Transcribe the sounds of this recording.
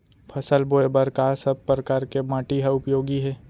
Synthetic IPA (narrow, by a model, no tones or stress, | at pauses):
pʰɐsəlboːebəɾkasəb̚pɾɐkaːɾkemãːʈiɦaʊpjoːɡiɦɛː